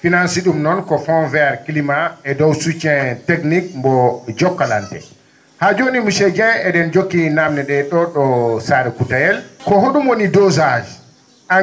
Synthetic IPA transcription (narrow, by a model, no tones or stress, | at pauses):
finansiɗumnɔnkɔfɔnvɛaɾkilimaɛdɔwsut͡ʃːɛteknik̚mbɔd͡ʒɔkːala̰ntɛ̰ | had͡ʒonimusɛd͡ʒɛnɛdɛnd͡ʒokːinamnɛɗɛɗɔɗɔsaɾɛkutajɛlkɔɦoɗumwonidɔzad͡ʒi | a